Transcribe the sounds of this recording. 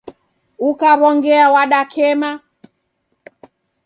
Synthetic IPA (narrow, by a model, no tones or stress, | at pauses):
ukaβɔŋɡɛawaɗakʰɛma